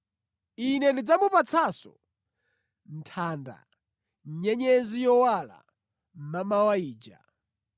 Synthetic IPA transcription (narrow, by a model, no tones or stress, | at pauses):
inɛndid͡zamupat͡sʰasɔ̰ | n̩tʰaːnda̰ | ɲ̩ɲɛɲɛzijɔwala̰ | m̩mamawaiːd͡ʒa̰